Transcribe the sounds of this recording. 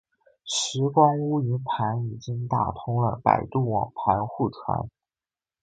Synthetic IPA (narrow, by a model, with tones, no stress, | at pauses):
ʂɻ̩˧˥kwa˥nu˥y˧˥npʰa˧˥ni˨˩t͡ɕi˥ŋt̪a˥˩t̪ʰʊ˥ŋlə̰˨pa̰˨˩ɪt̪u˥˩wɑ̰˨˩ŋpʰa˧˥nxu˥˩ʈ͡ʂʰwa̰˧˥n